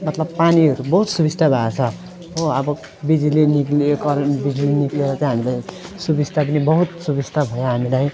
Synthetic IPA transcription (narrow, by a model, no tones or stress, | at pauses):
mʌt̪lʌbpaniɦʌɾubʌɦut̪subist̪ʰabʱat͡sʰʌ | oʌbʌ | bid͡ziliniklekʌɾbid͡zilinikleɾʌt͡sʌj̃ɦamilajsubisʈ̪ʰak̬nibʌɦut̪subist̪ʰabʱʌjoɦamilaj